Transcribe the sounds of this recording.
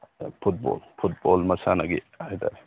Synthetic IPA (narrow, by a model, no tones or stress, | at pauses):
pʰut̚bɔ̰lpʰut̚bɔlmɐsanaɡi | ajta̰ɾ